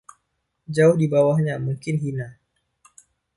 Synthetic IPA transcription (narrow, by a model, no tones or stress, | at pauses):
d͡ʒaʊhdibawahɲamuŋkɪnɦina